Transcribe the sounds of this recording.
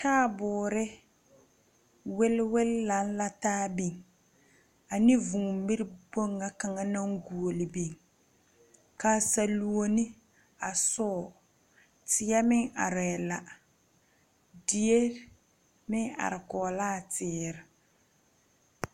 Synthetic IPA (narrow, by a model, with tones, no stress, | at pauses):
taː˦˨bʊː˨ɾɪ˦ | wɪ˦lwɪ˦lla˨n˦la˦taː˦bi˨ŋ | a˨nɪ˦vũ˨mɪ˦ɾɪ˦bo˦ŋːa˦ka˨ŋa˦na˦ŋɡu˨o˨lɪ˨bi˨ŋ | ka˨sa˨lu˨o˦nɪ˦ | a˨sɔː˦˨ | tɪ˨˦ɛ˦mɪ˦ŋʔa̰˨ɾɛ˨la˨ | dɪ˨e˦ | mɪ˦ŋa̰˨ɾɪ˨kɔː˨laː˦˨tɪː˨˦ɾɪ˨